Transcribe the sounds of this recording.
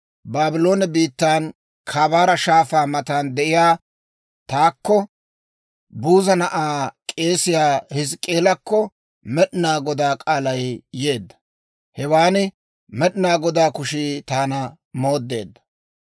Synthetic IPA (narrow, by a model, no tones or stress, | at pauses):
baːbɪlo̞ːnɛbiːt̪ːaːn | kʰaːbaːɾɐʃaːfaːmɐt̪aːnd̪ɛʔɪjaː | t̪aːkːɔ | buːzɐnɐʔaːkʼe̞ːsɪjaːhɪs̬kʼe̞ːlɐkːɔ | mɛɗɪnaːɡɔd̪aːkʼaːlɐjje̞ːd̪ːɐ̥ | hɛwaːnɪ | mɛɗɪnaːɡɔd̪aːkʊʃiːt̪aːnɐ | mo̞ːd̪ːe̞̰ːd̪ːɐ̥